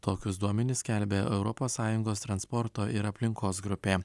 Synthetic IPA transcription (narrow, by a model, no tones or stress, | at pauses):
t̪oːkʲʊsd̪uɔmʲɛnʲɪsʲkʲælʲbʲeːʔɛʊɾɔpoːsːɑːjʊŋɡoːst̪ɾɐnspɔɾt̪oːʔɪɾɐpʲlʲɪŋkoːsɡɾʊpʲeː